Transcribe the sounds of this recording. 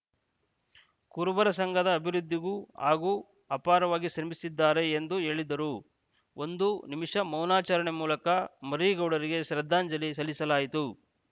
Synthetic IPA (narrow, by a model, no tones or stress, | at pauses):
kuːɾubɐɾɐsɐŋɡʱɐd̪ɐːbʱiɾud̪ʱːiɡua̰ːɡu | ɐpaːɾɐʋaːɡiʃɾɐmisid̪ːaːɾe̞ːnd̪uɦe̞ːɭid̪ɐɾu | o̞nd̪unimiʂɐmɐwnaːt͡ʃɐɾɐɳemuːlɐkɐmɐɾiːɡɐwɽɐɾiɡe̞ʃɾɐd̪ʱːaːɲd͡ʒɐlis̬ɐlːisɐlaːjit̪u